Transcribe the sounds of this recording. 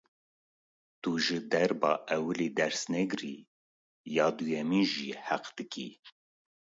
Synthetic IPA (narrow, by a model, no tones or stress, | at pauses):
t̪uʒɨd̪ɛɾbɑ̰ːʔɛwɨliːd̪ɛɾsnɛɡɾi | jɑːd̪ujɛmiʒiːhæqd̪̥ɨkḭː